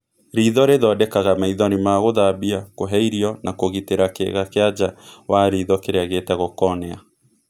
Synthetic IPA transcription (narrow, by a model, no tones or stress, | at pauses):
ɾiːðɔɾeðɔdɛkaɣamaiðɔnimaɣoðabiakoɦɛiɾiɔnakoɣiteɾakḛɣakead͡ʒawaɾiːðɔkeɾeaɣetɛɣokɔnɛa